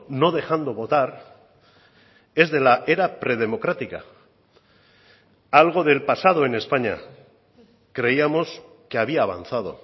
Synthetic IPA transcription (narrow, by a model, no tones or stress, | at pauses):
no̞ð̞e̞xand̪o̞β̞o̞t̪aɾ | e̞zðe̞laʔe̞ɾapɾe̞ð̞e̞mo̞kɾat̪ika̰ | alɣ̞o̞ð̞e̞lpasað̞o̞ene̞spaɲa̰ | kɾe̞iamo̞s | ke̞aβ̞iaːβ̞a̰n̟θað̞o̞̰